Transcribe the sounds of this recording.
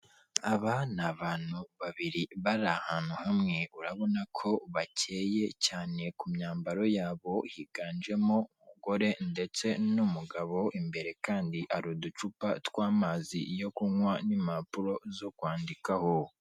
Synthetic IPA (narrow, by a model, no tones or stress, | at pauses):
aβanaβaːn̥huβaβiɾiβaɾahaːn̥huhamŋe̞uɾaβo̞nakʰo̞βace̞ːje̞caːne̞kumɲaːmbaɾo̞jaːβo̞hiɡaːnd͡ʒe̞moumuɡo̞ɾe̞nde̞t͡se̞numuɡaβo̞ʔimbe̞ɾe̞kaːndiʔaɾudut͡ʃupa̰twaːmaːzḭjo̞kuŋwanimapuɾo̞zo̞kwaːndikaho